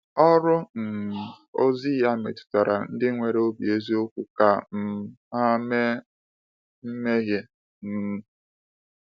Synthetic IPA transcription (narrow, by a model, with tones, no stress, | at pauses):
ɔ˦ɾʊ˦n̩˨ | o˦zi˦ja˦mḛ˨tʊ̥˨ta˨ɾa̰˨n̩˦dɪ˦ŋʷe˨ɾe˦o˦bi˨e˦zi˦o˦kʷu˨ka˨m̩˦˨ | a˦me˦ | m̩˦me˦ɦje˦ | m̩˦